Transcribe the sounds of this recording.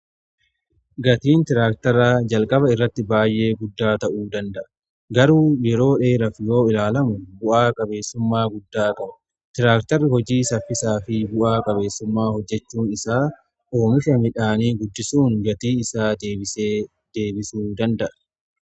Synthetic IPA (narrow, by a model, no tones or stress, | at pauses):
ɡɐt̪iːnt̪ɪɾaːk̚t̪ɐɾaːd͡ʒɐlkʼɐβɐɪrːɐt̪ːɪbaːjːʔe̞ːɡʊd̪ːaːt̪ɐʔuːd̪ɐnd̪ɐʔɐ | ɡɐɾuːjɛɾo̞ːᶑe̞ːɾɐfjo̞ːɪlaːlɐmʊbʊʔaːkʼɐbe̞ːsːʊmːaːɡʊd̪ːaːkʼɐbɐ̥ | t̪ɪɾaːkt̪ɐrːɪhɔd͡ʒiːsɐfːɪsaːfɪbʊʔaːkʼɐbe̞ːsːʊmːaːhɔd͡ʒːɛt͡ʃːuːnɪsaː | o̞ːmɪfɐmɪᶑaːniːɡʊd̪ːɪsuːŋɡɐt̪iːɪsaːd̪ee | d̪̥eːbɪsuːd̪ɐnd̪ɐʔɐ̥